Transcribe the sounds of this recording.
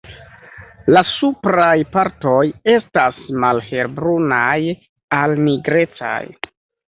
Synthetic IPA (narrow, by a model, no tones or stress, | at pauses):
lasupɾajpaɾto̞je̞stasmalhe̞ɾbɾunaj | alniɡɾe̞t͡sa̰j